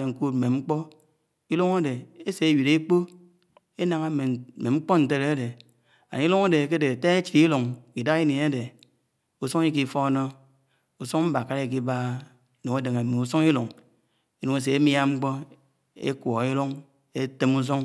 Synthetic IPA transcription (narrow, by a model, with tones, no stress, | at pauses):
e˨ŋ̩˨ku˦t̩̚˨me˨ŋ͡m̩˦k͡pɔ˦ | i˦lu˦ŋa˦de˨e˦se˨e˦wi˨ɾe˦k͡po˦ | e˦na˨ŋa˦e˨me˨ŋ͡m̩˦k͡po˦n̩˨te˦ɾe˦e˦de˨ | a̰˨ni˦lu˦ŋa˦de˨ke˦de˨te˦e˦t͡ʃi˨i˦lu˨ŋ˨ki˨da˦ɣi˦ni˨e˦de˨ | u˨so˦ŋ˦i˦ki˨fo˦no˦ | u˨so˦ŋ˦m̩˦ba˨ka˦ɾe˦˨k̬i˦ba˦˨ | nu˨e˦dɨ˨ŋe˨me˨u˨so˦ŋ˦i˦lu˨ŋ | i˦nu˨ŋe˦s̬e˨e˦mja˦ŋ͡m̩˦k͡po˦ | ḛ˦kʷo˨ɣi˦lu˦ŋ | e˦te˦mu˦s̬o˦ŋ